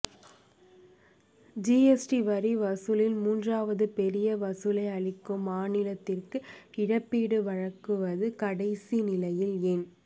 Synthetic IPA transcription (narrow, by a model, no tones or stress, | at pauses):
d͡ʒiɛsʈiʋɐɾiʋɐsɯlɪlmuːndraːʋɐðɯpɛɾɪjɐʋɐsɯlɐɪɐɭɪkːɯmaːnɪlɐt̪ːɪrkɯɪɻɐpːiːɽɯʋɐɻɐkːɯʋɐðɯkɐɽɐɪsinɪlɐjɪlɛn